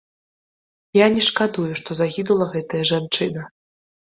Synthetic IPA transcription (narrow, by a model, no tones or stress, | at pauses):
janʲɛʂkad̪ujuʂt̪ɔzaɣʲid̪ulˠɐɣɛt̪ɐjɐʐant͡ʂɨnɐ